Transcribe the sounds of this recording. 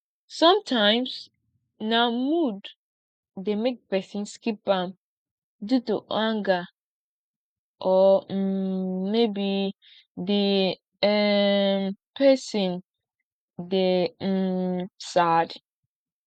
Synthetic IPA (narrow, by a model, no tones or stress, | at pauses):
sɔ̃mtʰãɪ̃ms | nãmudː | emek̚pɛsĩnskip̚ãm | dutṵʔãŋɡa | ʔɔ | mebi | di | ɛmpʰɛsĩn | dem̩sad